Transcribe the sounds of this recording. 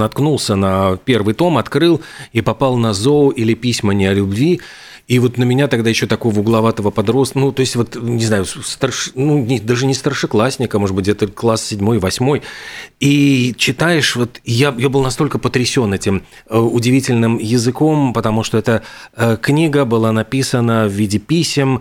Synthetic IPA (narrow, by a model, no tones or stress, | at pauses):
nɐt̪knulˠsʲənɐpʲe̞rvɨjt̪o̞mɐt̪kɾɨlˠipɐpɑlˠnɐzoʊʔilʲɪpʲisʲmənʲɪɐlʲʊbvʲi | ivo̞t̪nəmʲɪnʲat̪ɐɡ̚d̪ajɪɕːo̞t̪ɐko̞vəʊɡlˠɐvat̪əvəpɐd̪ɾo̞st̪nut̪o̞ɪsʲtʲvo̞t̪nʲɪznajʊst̪ərʂnunʲɪd̪aʐɨnʲɪst̪ərʂɨklˠasʲnʲɪkəmo̞ʐɨd̪bɨt̬ʲɛt̪əklˠassʲɪdʲmo̞jvɐsʲmo̞jit͡ɕɪt̪ajɪʂvo̞t̪jajabɨlˠnɐst̪o̞lʲkəpət̪ɾʲɪsʲo̞nɛtʲɪm | əʊdʲɪvʲitʲɪlʲnɨmjɪzɨko̞mpət̪ɐmuʂt̪oɛt̪əəknʲiɡəbɨlˠanɐpʲisənəvvʲidʲɪpʲisʲɪm